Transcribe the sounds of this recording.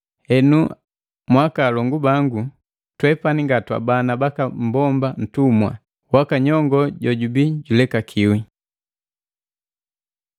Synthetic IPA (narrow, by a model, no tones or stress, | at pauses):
hɛnu | mwakaːlɔŋɡubaŋɡu | twɛpaniŋɡatwa̰banabakam̩bɔmban̩tumwa̰ | wakaɲɔŋɡɔɟɔɟubiɟulɛkakʰiwi